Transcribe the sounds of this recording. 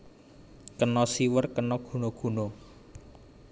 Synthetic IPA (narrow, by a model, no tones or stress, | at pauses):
kənɔsiwərkənɔɡ̥ṳnoɡ̥ṳno